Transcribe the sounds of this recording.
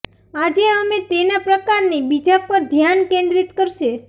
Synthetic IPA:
ad͡ʒeəmẽt̪enapɾəkaɾnibid͡ʒapəɾd̪ʱjankẽnd̪ɾit̪kəɾʃe

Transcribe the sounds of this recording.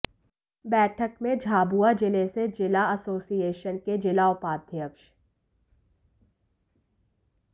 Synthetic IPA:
bɛːʈʰəkmẽd͡ʒʱaːbuad͡ʒɪlesed͡ʒɪlaɐsoːsieːʃənked͡ʒɪlaʊpaːd̪ʱjəkʃ

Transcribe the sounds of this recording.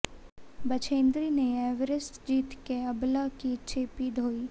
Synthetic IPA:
bɐt͡ʃʰẽːnd̪ɾiːneɛːʋɾɪsʈ̪d͡ʒiːt̪keəblakit͡ʃʰeːpiːd̪ʱoːiː

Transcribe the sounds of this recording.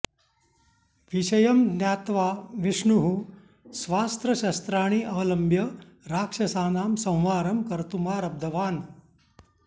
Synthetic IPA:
ʋiɕɐjɐmnjaːt̪ʋaːʋiʂɳuɦu | sʋaːst̪ɾɐɕɐst̪ɾaːɳ̃iːʔɐʋɐlɐmbjɐɾaːkʂɐsaːnaːmsɐ̃w̃ʋaːɾɐmkɐɾt̪umaːɾɐb̚d̪ʱɐʋaːn

